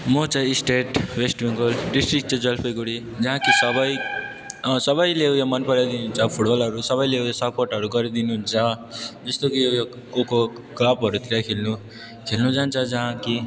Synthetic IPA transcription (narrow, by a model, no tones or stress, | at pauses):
mʌt͡sajsʈeʈwesʈbiŋɡʌlɖisʈrik̚t͡sʌd͡zʌlpʰʌjɡuɽi | d͡zʌɦãkisʌbʌj | sʌbʌjlejamʌnpʌɾad̪inuɦunt͡sʰʌpʰuʈbʌlɦʌɾusʌβʌjlewjasʌporʈʌɾuɡʌɾid̪inuɦunt͡sʰʌd͡zʌst̪okijo | oko | klabɦʌɾut̪iɾakʰelnu | kʰelnud͡zant͡sʰʌd͡zʌɦãki